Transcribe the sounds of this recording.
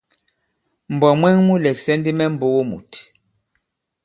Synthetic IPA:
m̩˨bɔ˨mwɛ˦ŋmu˦lɛ˨ksɛ˦ndi˦mɛ˦m̩˨bo˦wo˦mṵ˨t

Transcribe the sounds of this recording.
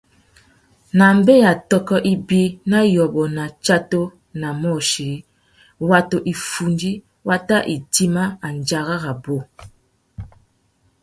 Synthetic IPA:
na˨m̩˦be˦ja˨tɔ˦kɔ˦ʔi˦bi˦na˦jɔ˨bɔ˨na˨t͡ʃa˦to˦ | na˨mɔ˦˨ʃi˨˦ | wa˨to˨ʔi˨fu˨ndi˦ | wa˦ta˦ʔi˨ti˦ma˦a˨n˨d͡ʒa˨ɣa˦ɣa˨bo˦

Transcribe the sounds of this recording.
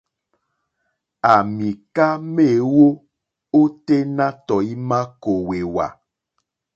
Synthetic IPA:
a˨mĩ˨ka˦me˦˨wo˦ | o˦t̪e˦nã˦t̪ɔ˨i˦mã˦ko˨we˨wa̰˨

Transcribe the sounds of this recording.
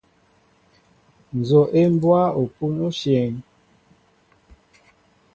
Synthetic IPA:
n˨zo˨ʔe˦m˦bwa˦o˨pu˦no˦ʃjɛ˨ŋ

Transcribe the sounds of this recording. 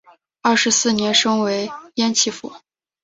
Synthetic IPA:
ɐ˥˩ʂɻ̩˧˥sɹ̩˥˩njɛ˧˥nʂɤ˥ŋwe˧˥ɪjɛ˥nt͡ɕʰi˥˩fṵ˨˩˦

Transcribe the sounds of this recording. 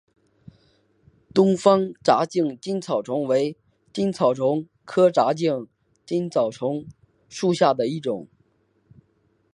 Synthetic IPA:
t̪ʊ˥ŋfɑ˥ŋʈ͡ʂa˧˥t͡ɕi˥˩ŋt͡ɕi˥nt͡sʰɑ˨˩ʊʈ͡ʂʰʊ˧˥ŋwe˧˥ɪ | t͡ɕi˥nt͡sʰɑ˨˩ʊʈ͡ʂʰʊ˧˥ŋ | kʰɤ˥ʈ͡ʂa˧˥t͡ɕi˥˩ŋ | t͡ɕi˥nt͡sʰɑ˨˩ʊʈ͡ʂʰʊ˧˥ŋ | ʂu˥˧ɕja˥˩d̪ə˩i˥˩ʈ͡ʂʊ˨˩˦ŋ

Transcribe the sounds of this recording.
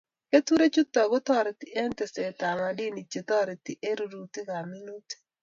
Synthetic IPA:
ke˦t̪u˦ɾe˦t͡ʃu˦t̪ːɔ˨ɡʊ˦t̪ɔ˦˨ɾɪ˨t̪i˨ʔe˦nte˨se˨ta˨ma˨di˦ni˨t͡ʃːe˨t̪ɔ˦ɾe˨ti˨ʔe˦ɾu˨ɾu˨t̪ɪ˦ka˨mi˦nu˦ti̥˦

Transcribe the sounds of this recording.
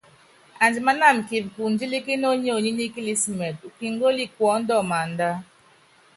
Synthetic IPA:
a˨nd͡ʒi˨ma˦na˦˨m̩˨ki˨bku˨n˦d͡ʒi˦li˦ki˦no˦ɲ˦o˦˨ɲi˦ni˦ki˦li˦smɛ˨t̚u˨ki˦ŋ˦ɡo˦li˦kwɔ˨˦n̩˦dɔ˦˨ma˨n˨da˦

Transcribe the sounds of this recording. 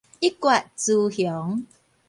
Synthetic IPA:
i˦kwa˨ʔt͡su˧hjɔ˨˦ŋ

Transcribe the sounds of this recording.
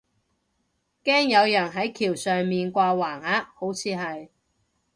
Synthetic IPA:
kɛː˥ŋjɐ˨˧wjɐ˨˩nɦɐ˨˥jkʰiː˨˩wsœː˨ŋmiː˨nkʷaː˧waː˨˩ŋaː˧ho˨˥wt͡sʰiː˨˧ɦɐ˨j

